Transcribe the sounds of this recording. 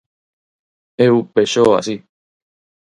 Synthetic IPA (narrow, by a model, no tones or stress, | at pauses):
eupeʃoa̰si